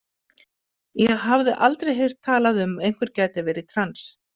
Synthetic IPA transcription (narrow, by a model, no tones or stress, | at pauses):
jɛɣɦavðɪʔalt̪ɾejɦejr̥t̪ʰːaːlaðʏmejn̥kʰvɛɾ̥caːjt̪ɪvɛːɾɪt̪ʰɾans